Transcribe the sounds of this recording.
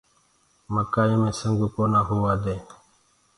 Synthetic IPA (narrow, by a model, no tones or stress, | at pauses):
məkaːiːmẽːsəŋɡuːkoːnaːɦʊʋaːd̪ẽː